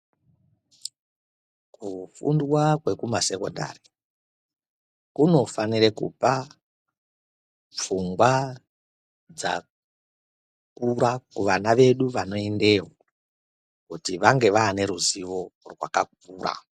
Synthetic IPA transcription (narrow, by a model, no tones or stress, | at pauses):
kufṵndwakwe̞kumase̞ko̞̰nda̰ri | kuno̞fanirekṵpa | p͡fuŋɡwa | d͡za̰ | kuɾakuʋanaʋe̞ɗuʋano̞ende̞ɦo | kutiʋaŋɡe̞ʋaːne̞ɾuziʋo̞rwa̰kak̚uːra̰